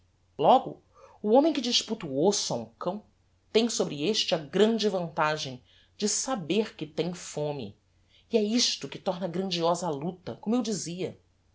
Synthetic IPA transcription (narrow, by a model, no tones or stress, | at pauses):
lɔɡʊ̰ | ʊõmẽj̃kɪd͡ʒiʃput̪uosʊaũkɐ̃w̃ | t̪ẽj̃sobɾɪeʃt͡ʃɪɐɡɾɐ̃nd͡ʒɪvɐ̃nt̪aʒẽj̃ | d͡ʒɪsabeɾkɪt̪ẽj̃fõmɪ̰ː | ɛiʃt̪ʊkɪt̪ɔɾnɐɡɾɐ̃nd͡ʒiɔzɐalut̪ɐ̰kõmʊewd͡ʒiziɐ